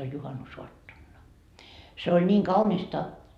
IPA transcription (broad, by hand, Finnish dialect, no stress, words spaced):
olʲ juhɑnusoɑtːonːɑ se olʲ niːŋ kɑunistɑ